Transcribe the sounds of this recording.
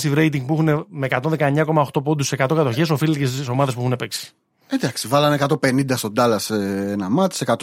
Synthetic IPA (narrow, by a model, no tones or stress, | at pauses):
st̪ivɾe̞jt̪̬iŋɡ̚puixunemeːkɐt̪o̞nðekɐeɲːɐko̞mɐoxt̪o̞p̬ond̪usse̞kɐt̪o̞kɐt̪o̞çes̬o̞filecesso̞mɐðespuixunepe̞ksi̥ | ed̪ɐksivɐlɐnekɐt̪o̞pe̞nind̪ɐst̪o̞d̪ɐlɐseenɐmɐt̪i̥se̞kɐt̪